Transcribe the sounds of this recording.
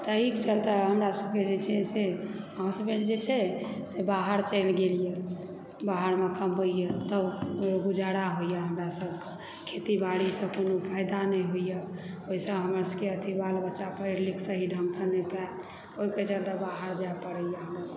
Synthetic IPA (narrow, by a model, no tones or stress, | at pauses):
t̪əikt͡ʃəlt̪aɦəmɾasəb̚ked͡ʒet͡ʃʰɛseɦãsəbend͡ʒet͡ʃʰɛsebaɦəɾt͡ʃəɪlɡelije | baɦəɾmekəmbəijet̪əbɡud͡ʒaɽaɦojəɦəmɾasəbʱke | kʰet̪ibaɽisə̃konopʰəjd̪anɛɦoijə | oɦisə̃ɦəməɾsəkeət̪ʰibalbətːʃapəiɾliksəɦiɖʱə̃ŋɡsə̃nɛpa | oiket͡ʃəlt̪abaɦəɾd͡ʒaepəɾəjəɦəmɾasəb